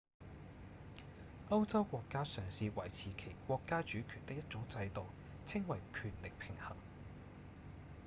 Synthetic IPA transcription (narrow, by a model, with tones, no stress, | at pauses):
ɐ˥wt͡sɐ˥wkʷɔː˧kːaː˥sœː˨˩ŋsiː˧wɐ˨˩jt͡sʰiː˨˩kʰe˨˩jkʷɔː˧kːaː˥t͡ʃyː˨˥kʰyː˨˩nt̪ɪ˥k̚jɐ˥t̚t͡sʊ˨˥ŋt͡sɐ˧jt̪o˨w | t͡sʰɪ˥ŋwɐ˨˩jkʰyː˨˩nlɪ˨k̚pʰɪ˨˩ŋhɐ˨˩ŋ